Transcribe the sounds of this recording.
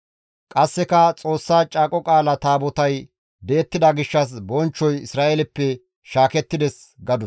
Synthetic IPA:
kʼɐsːɛkɐt͡sʼo̞ːsːaːt͡ʃʼaːkʼɔkʼaːlɐt̪aːbɔt̪ɐj | d̪eːt̪ːɪd̪ɐɡɪʃːɐs̬bɔnt͡ʃːɔjɪsɾaːʔelɛpːɛ | ʃaːkɛt̪ːɪd̪ɛs | ɡɐd̪ʊ

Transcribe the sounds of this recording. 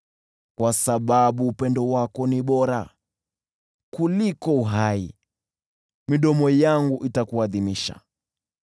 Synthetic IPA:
kwasaɓaɓuːpɛndɔwakɔniɓɔɾa | kulikɔuɦaḭ | miɗɔmɔjaŋɡuʔitakuaðimiʃa̰

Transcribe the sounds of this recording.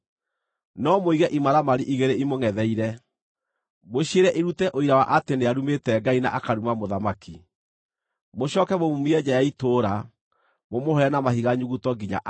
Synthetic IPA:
nɔmoiɣɛʔimaɾamaɾiʔiɣeɾeimoŋɛðɛiɾɛ | moɕieɾɛʔeɾutɛʔoiɾawaʔateneaɾumetɛɡaina̰ʔakaɾumamoðamaki | moɕɔːkɛmomumiɛd͡ʒajaitoɾa | momohɔɛnamahiɣaɲuɣutɔɡiɲa̰ʔ

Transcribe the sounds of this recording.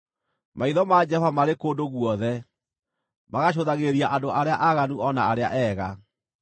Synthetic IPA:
maiðɔmad͡ʒɛɔvamaɾekodoɣwɔðɛ | maɣaɕ̬oðaɣeɾiaʔandoʔaɾeaʔaɣanuɔnaaɾea̰ʔɛːɣa

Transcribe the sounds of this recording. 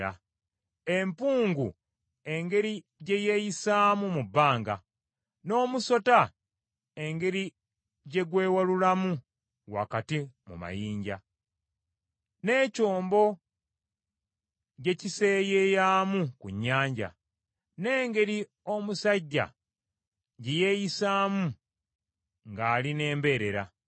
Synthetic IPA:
a̰ | e̞mpuːŋɡṵ | e̞ŋɡe̞ɾi | ɟe̞je̞jisaːmumubːaːŋɡa̰ | no̞ːmuso̞ta | e̞ŋɡe̞ɾi | ɟe̞ɡwe̞ːwalulamu | ɣwa̰katimṵma̰jiːɲɟa̰ | ne̞ːco̞ːmbo̞ | ɟe̞cise̞ːjejaːmukuɲːaːɲɟa̰ | ne̞ːŋɡe̞ɾi | o̞musaɟːa̰ | ɟeje̞ːjisaːmu | ŋɡaːline̞ːmbe̞ːɾe̞ɾa̰

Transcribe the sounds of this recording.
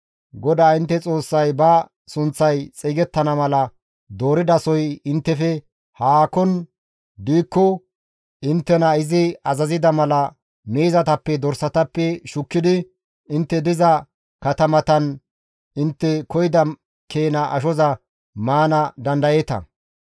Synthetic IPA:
ɡɔd̪aːɪnt̪ːɛt͡sʼo̞ːsːɐjbɐ | sʊnt͡sːɐjt͡sʼiːɡɛt̪ːɐnɐmɐlɐ | d̪o̞ːɾɪd̪ɐsɔjɪnt̪ːɛfɛ | haːkɔn | d̪iːkːɔ | ʔɪnt̪ːɛnɐɪzɪɐzɐzɪd̪ɐmɐlɐ | meːzɐt̪ɐpːɛd̪ɔɾsɐt̪ɐpːɛʃʊkːɪd̪ɪ | ɪnt̪ːɛd̪ɪzɐ | kɐt̪ɐmɐt̪ɐn | ɪnt̪ːɛkɔjɪd̪ɐ | kʰe̞ːnɐʔɐ̰ʃɔzɐ | maːnɐd̪ɐnd̪ɐjeːt̪ɐ̰

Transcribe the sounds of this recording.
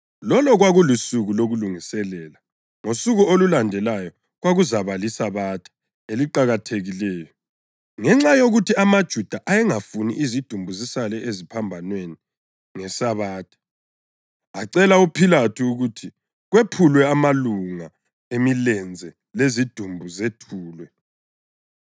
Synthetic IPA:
lɔlɔɣwaɣulusuɣuloɣuluŋisɛlɛːla | ŋosuɣuolulandʱɛlajɔ | ɣwaɣuzaβalisaβatʰḁ | eliǃaɣatʰeɣilɛːjɔ | ŋɛŋ͡ǁajoɣutiamad̥ʒ̥ʱud̥ʱaʔajɛŋafuniʔizid̥ʱumbʱuzisalɛʔezipʰambʱanweni | ŋɛsaβaːtʰʼḁ | aǀɛlaupʰilatʰuːɣutʰi | ɣwepʰulwɛamaluŋa | emilɛnd͡zʱɛ | lezid̥ʱumbʱuzetʰuːlwɛ

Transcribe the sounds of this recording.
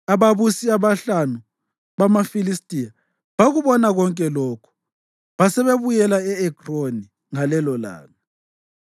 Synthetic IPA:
aβaβusiaβaɬanu | βamafilistʼija | βaɣuβɔnaɣɔŋkʼɛlɔkʰɔ̥ | βasɛβeβujɛlaɛɛkʼroni | ŋalɛlɔla̰ːlɔ

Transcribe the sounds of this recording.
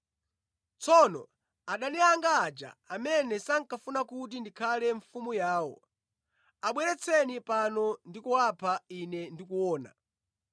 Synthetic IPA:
t͡sʰɔnɔ̰ | aɗaniaŋɡaːd͡ʒa̰amɛnɛsaŋ̩kafunakut̬indikʰalɛɱfumujaːwɔ̰ | aɓwɛɾɛt͡sʰɛnipanɔndikuwapʰainɛndikuwɔːna̰

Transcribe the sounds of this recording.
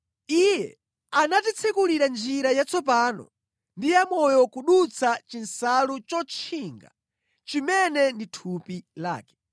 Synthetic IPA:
ijɛ̰ | anatit͡sʰɛkuliɾand͡ʒiɾajat͡sɔp̬anɔ̰ | ndijamɔjɔkuɗut͡sʰat͡ʃinsalut͡ʃɔt͡ʃʰiŋɡa̰ | t͡ʃimɛnɛnditʰupila̰ːkɛ̥

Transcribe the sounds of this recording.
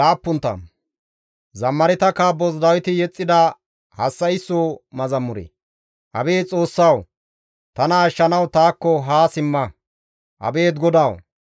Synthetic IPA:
laːpːʊnt̪ːɐ̰ | zɐmːɐɾɪt̪ɐkaːbːɔzd̪ɐwɪt̪ɪjɛt͡sʼːɪd̪ɐ | hɐsːɐɪsːoːmɐzɐmːʊɾḛ | ʔɐbe̞ːt͡sʼo̞ːsːɐw | t̪ɐnɐːʃːɐnɐwt̪aːkːɔɦaːsɪmːɐ | ʔɐ̰be̞ːd̪ɡɔd̪aːw

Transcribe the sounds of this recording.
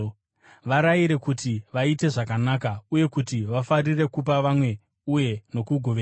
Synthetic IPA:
ʋaɾaiɾe̞kutiʋaite̞ʐakanakauje̞kutiʋafarire̞kup̬aʋamwe̞ | uje̞no̞kuɡʱo̞ʋea

